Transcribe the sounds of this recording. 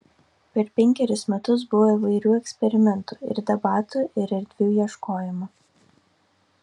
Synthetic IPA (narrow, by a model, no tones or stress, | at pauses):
pʲɛɾpʲɛŋʲkʲɛɾʲɪsmʲɛt̪ʊs̬bʊʋoiʋɐɪɾʲuːɛksʲpʲɛɾʲɪmʲɛnt̪uːˑɪ̰ɾd̪ʲɐbɑːt̪uːʔɪɾɛɾʲd̪ʲʋʲjiɛʃkoːjɪmʊ